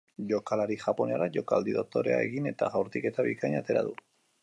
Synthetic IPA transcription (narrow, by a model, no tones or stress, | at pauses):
ʝo̞kalaɾiʝapo̞neaɾaʝo̞kald̪iðo̞t̪o̞ɾe̞a̰e̞ɣine̞t̪aɣawɾt̪ike̞t̪aβikajɲat̪e̞ɾa̰ðu